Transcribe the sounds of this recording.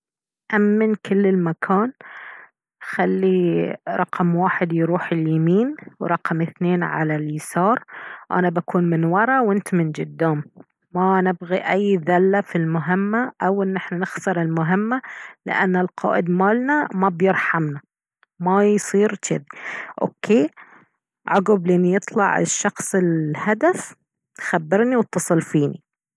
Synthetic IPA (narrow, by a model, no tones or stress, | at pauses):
ʔamːɪnkɪlːɪlmakʰaːn | xalːiɾˤɑqmwaːħɪd̪jɾuːħɪljamiːnwɾˤɑqmʔɪθneːnʕa̰laljɪsɑːɾˤʔa̰nabakuːnmɪnwɑɾˤɑwɪnt̪mɪnd͡ʒɪd̪ːaːmː | anɪbɣiʔajːðalːafilmʊɦɪmːaʔawʔɪnːʔɪħnanɪxsɨɾˤɪlmʊɦɪmːalɪ̰ʔa̰nːɪlqʰɑ̰ːʔɪd̪maːlnamabjɪɾħamna | majsˤiːɾt͡ʃɪðiʔo̰ːkʰːeː | ʕʊɡʊblʔnːijɨt̪ˤlɑʕɪ̰ʃːɑxsˤɪlhad̪af | xabːɪɾniwɨt̪ːɑsˤɨlfiːnḭ